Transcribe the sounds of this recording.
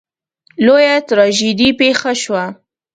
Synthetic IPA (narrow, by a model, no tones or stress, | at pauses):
lojat̪ɾɑʒid̪ipexaʃwa